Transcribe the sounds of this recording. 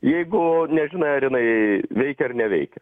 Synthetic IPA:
jɛɪɡʊnʲɛʒʲɪnɐɪɐɾjɪnɐɪʋʲɛɪkʲɛɐrnʲɛʋʲɛ̰ɪkʲɛ

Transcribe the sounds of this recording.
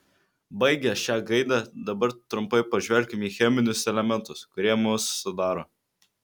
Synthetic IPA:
bɐɪɡʲɛʃʲæːɡɐɪd̪ɑd̪ɐbɐɾt̪ɾʊmpɐɪpɐʒʲʋʲɛlʲkʲɪmiːxʲɛmʲɪnʲʊsɛlʲɛmʲɛnt̪ʊskʊɾʲiɛmʊsːʊd̪ɑːɾoː

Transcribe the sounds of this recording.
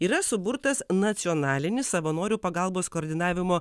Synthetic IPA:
iːɾɐsʊbʊɾt̪ɐsnɐt̪sʲɪɔːnɑːlʲɪnʲɪssɐʋɐnoːɾʲuːpɐɡɐˑlˠboːskoːɾʲd̪ʲɪnɑːʋʲɪmoː

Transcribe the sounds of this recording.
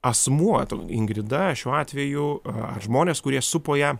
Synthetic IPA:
ɐsmuɔt̪oɪŋɡɾʲɪd̪ɐʃʲuːɑːt̪ʲʋʲɛjʊɐ̰ʒmoːnʲeːskʊɾʲiɛsʊpoːjɛ

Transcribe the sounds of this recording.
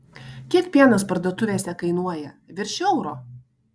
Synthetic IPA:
kʲiɛkpʲiɛnɐspɐɾd̪uɔt̪ʊʋʲeːsʲɛkɐɪnuɔjɛʋʲɪɾʲʃʲɛʊɾoː

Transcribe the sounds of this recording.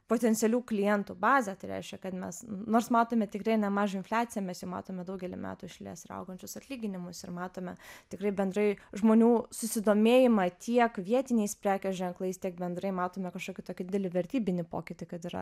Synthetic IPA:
poːt̪ʲɛnʲt̪sʲɛlʲuːklʲɪjɛnt̪ubɑːzʲɛt̪ɐɪɾʲɛ̰ɪʃʲkʲɛkɐt̪mʲɛsʊnoːrsmɑːt̪oːmʲɛt̪ʲɪkrɐɪnʲɛmɑːʒoːɪnfʲlʲæːt̪t͡ssʲɪjɛmʲɛsjɛʊmɑ̰ːt̪oːmʲɛd̪ɐʊɡʲɛlʲɪ̰mʲæ̰ːt̪uɪʃʲlʲḛːsɪɾɐ̰ʊɡɐnʲt͡ʃʲʊsɐt̪ʲlʲiːɡʲɪnʲɪmʊsɪɾmɑːt̪oːmʲɛt̪ʲɪkɾɐɪbʲɛnd̪ɾɐɪʒmoːnʲuːsʊsʲɪd̪oːmʲeːjɪmɐt̪ʲʰiɛkʋʲiɛt̪ʲɪnʲɛɪspʲɾʲæːkʲɛsʒʲɛŋklˠɐɪst̪ʲiɛk̚bʲɛnd̪ɾɐɪmɑːt̪oːmʲɛkɐʃkoːkʲɪt̪oːkʲɪd̪ʲɪd̪ʲɛlʲɪʋʲɛɾʲt̪ʲiːbʲɪnʲɪpo̰ːkʲɪt̪ʲɪkɐt̪ɪɾɐ̰

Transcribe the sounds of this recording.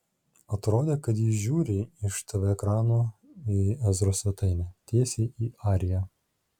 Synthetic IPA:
ɐt̪ɾoːd̪ʲeːkɐt̪jiːʒʲuːɾʲɪɪʃt̪ɐʋʲɛkɾɑːnoːiɛzɾosʲʋʲɛt̪ɐɪnʲɛt̪ʲeːsʲeːʔiːɑːɾʲɪjɛ

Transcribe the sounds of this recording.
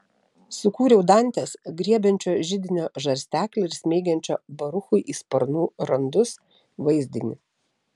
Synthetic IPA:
sʊkuːɾʲɛʊd̪ɐˑnʲt̪ʲeːsɡɾʲiɛbʲɛnʲt͡ʃʲoːʒʲɪd̪ʲɪnʲoːʒɐɾʲsʲt̪ʲæːklʲoɪɾsʲmʲeːɡʲɛnʲt͡ʃʲoːbɐɾʊxʊɪʔiːspɐɾnuːɾɐnd̪ʊs | ʋɐɪzʲd̪ʲɪnʲɪ

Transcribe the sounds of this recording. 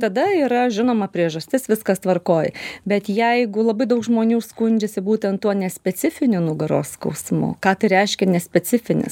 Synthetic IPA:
t̪ɐd̪ɐiːɾɐʒʲɪnoːmɐpʲɾʲiɛʒɐsʲt̪ʲɪsʋʲɪskɐst̪ʋɐrkoːjbʲɛt̪jɛɪɡʊlˠɐbɐɪd̪ɐʊkʒmoːnʲuːskʊnʲd͡ʒʲɛsʲɪbuːt̪ʲɛnt̪ːuɔnʲɛsʲpʲɛt͡s̪ʲɪfʲɪnʲʊnʊɡɐɾo̰ːskɐ̰ʊsmʊ̰kɑːt̪ɐɪɾʲɛɪʃʲkʲɛnʲɛsʲpʲɛt͡sʲɪfʲɪnʲɪ̰s

